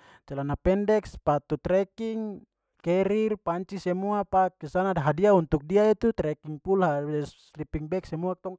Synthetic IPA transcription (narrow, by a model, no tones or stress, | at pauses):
t͡ʃɛlanapɛndɛkspat̪ut̪ɾɛkiŋ | kɛɾirpaɲt͡ʃisɛmuapakːisanadɦadiaunt̪uk̚diait̪ut̪ɾɛkiŋpulɦaslipiŋbɛksɛmuak̚t̪ɔŋ